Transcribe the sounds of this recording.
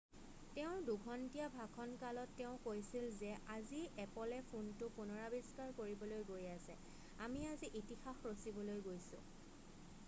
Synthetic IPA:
tɛʊ̃dukʰɔntijabʱakʰɔnkalɔtːɛʊ̃kojsilzɛʔaziɛpɔlɛpʰuntʊpunɔɹabiskaɹkoɹibɔlojɡojasɛ̰ | amiaziʔitixaxɹosibɔlojɡojsʊ̰̃

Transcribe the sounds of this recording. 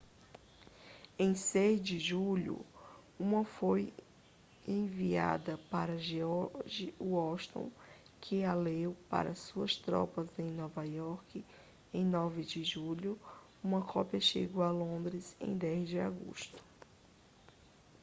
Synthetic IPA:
ẽj̃sejzd͡ʒɪʒuʎʊ̰ | ũmɐfoj | ẽvia̰d̪ɐpaɾɐʒeɔʒɪuɔʃt̪õ̰w̃ | kʰɪalewpa̰ɾɐsuɐst̪ɾɔ̰pɐzẽj̃nɔvajɔɾkɪ | ẽj̃nɔvɪd͡ʒɪʒuʎʊ | ũmɐkʰɔpiɐʃeɡoalõnd̪ɾɪzḛ̃j̃d̪ɛzd͡ʒɪaɡo̰ʃt̪ʊ̥

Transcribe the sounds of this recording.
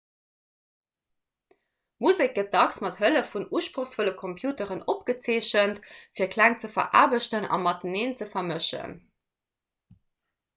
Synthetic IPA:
muzek̚ɡət̚dɑksmɑthələfunuːʃpʁoxsfoləkʰompʰjuːtəʁənopɡ̥ət͡seːɕəntfiːɐkʰlæŋt͡səfɐ̰ʔa̰ːbəʃtənɑ̰mɑt̚əneːnt͡səfɐməʃə̰n

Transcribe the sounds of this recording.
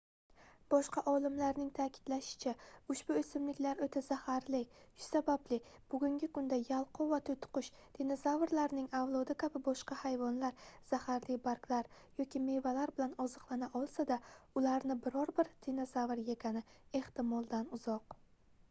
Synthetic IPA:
b̥ɒʃqɑʔɒlˠɪmlaɾnɪŋt̪ʰakʲʰɪ̥d̪laʃɪ̥t͡ʃʰaʊʃb̥ʊesɪmlɪkʲlaɾot̪ʰazahaɾlɪʃʊ̥sabablɪb̥ʊɡʲʊŋɡʲɪkʊnd̪ajalˠqʰʊvat̪ʰʊjt̪ʰʊ̥qʊʃt̪ʰenazavɾlaɾnɪŋavlˠɒd̪ɪkʲʰabɪbɒʃqɑhajvɒnlaɾz̥ahaɾlɪbaɾklaɾ | jɒkʲʰɪme̞valaɾbɪlanɒzɨqlˠanaʔɒlˠsad̪aʊlaɾnɪbɪɾɒɾbɪɾt̪ʰenazavɾjeɡʲanɪe̞ht̪ɪmɒlˠd̪anʊz̥ɒq

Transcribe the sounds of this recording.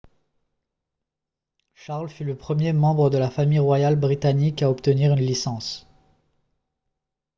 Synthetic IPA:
ʃaʁlfyləpχəmjemɑ̃bʁəd̪əlafamijʁwajalbʁit̪anikaɔpt̪əniʁynlisɑ̃s

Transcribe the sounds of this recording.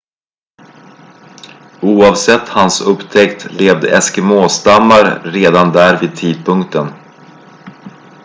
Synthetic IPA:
uːɑːvsɛt̪ːhansɵpːt̪ʰɛkt̪leːvd̪ɛɛskɛmoːst̪amːaɾɾeːd̪and̪æːɾviːd̪̚t̪ʰiːd̪̚pʰɵŋkt̪ən

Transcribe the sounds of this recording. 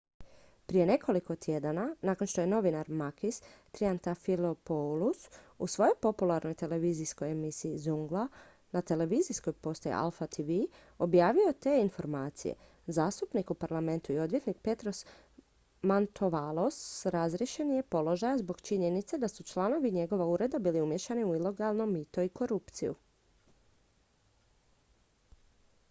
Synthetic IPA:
pɾije̞ne̞kʰo̞liko̞t̪ʰjed̪ananaːko̞nʃt̪oje̞no̞ʋinaɾmakist̪ɾiant̪afilopolususʋo̞jo̞jpo̞pulˠaɾnojt̪e̞le̞ʋizisko̞jemisiːzuŋɡla | nat̪e̞le̞ʋizisko̞jpo̞st̪ojḛʔa̰lˠfat̪ʰiʋi | o̞bjaːʋio̞t̪e̞info̞ɾmaːt̪sḭjḛ | zaːst̪upnikupaɾlˠame̞nt̪uio̞d̪ʋje̞t̪nik̚pe̞t̪ɾo̞s | mant̪ʰoʋalˠo̞sɾazɾje̞ʃe̞nijepo̞lo̞ʒajazbo̞ɡt͡ʃiɲe̞nit̪sed̪asut͡ʃlˠano̞ʋiɲe̞ɡo̞ʋauɾe̞d̪abiːliumje̞ʃaniuilo̞ɡalˠno̞mːit̪o̞iko̞ɾupt̪sijṵ

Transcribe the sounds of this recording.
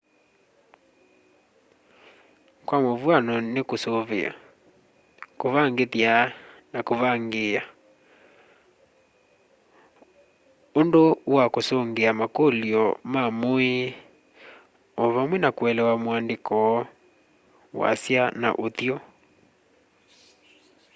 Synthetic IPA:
kwamovwanɔnekosoβḛa̰ | koβaŋɡetianakoβaŋɡea | ondowakosoŋɡeamakoliɔmamoe | ɔβamwɛnakwɛlɛwamoandekɔ | wa̰sjana̰ʔotiɔ

